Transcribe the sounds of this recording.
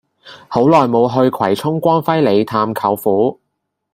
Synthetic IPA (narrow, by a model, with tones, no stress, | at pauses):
ho˨˥wlɔː˨jmo˨˧wɦɵ˧ɥkʰwɐ˨˩jt͡sʰʊ˥ŋkʷɔː˥nfɐ˥jle˨˧jt̪ʰaː˧mkʰɐ˨˧wfuː˨˥